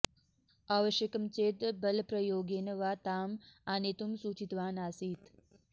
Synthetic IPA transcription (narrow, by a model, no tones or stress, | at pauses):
aːʋəʃjəkəmt͡ɕeːt̪bəlpɾəjoːɡeːnəʋaːt̪aːmanet̪umsuːt͡ʃit̪ʋaːnaːsiːt̪